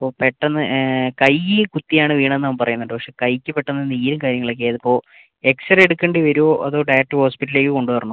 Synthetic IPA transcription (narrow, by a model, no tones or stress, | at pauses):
ɐpːoːpeʈːɐnːɨkɐjikut̪ːijaːɳɨʋiːɳɐ̃enːɐmmpɐrɐjunːɐɖɨpɐkʂe̞ːkɐjkʲːɨpeʈːɐnːinːiːɾumkaːɾjɐŋːɐɭokːeːɐðɨpːo̞ː | e̞ksɐreɽukːɐɳɖiʋɐɾuoːʔɐðo̞ːɖɐjɐʈːɨho̞ːspiʈːle̞ːkːɨko̞ɳɖɨʋɐrɐɳu